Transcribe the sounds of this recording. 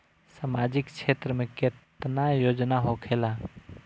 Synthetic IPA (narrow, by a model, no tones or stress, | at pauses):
samad͡ʒɪkkt͡ʃʰet̪ɾəmẽket̪najoːd͡ʒnaɦokʰeːla